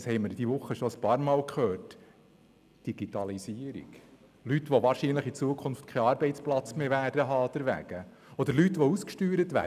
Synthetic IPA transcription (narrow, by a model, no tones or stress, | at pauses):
shɛɪməɾd̥̪iʋʊχːəʃɔəspɑːɾmɑːlkχøːɾt | d̥iɡ̥it̪ɑlisiːəɾḭɡ̥ | lytʋɔʋɑːɾʃiːnləχit͡suəkʰʊnft̪̚kʰɛɑːɾbɛɪt̪t͡splɑt͡smeʋæːd̥əɦɑːd̥̪ɛɾʋæ̰ɡ̥ə | ɔd̪əɾlyt̪ʋɔuskʃtyːɾət̪ʋæ̰ː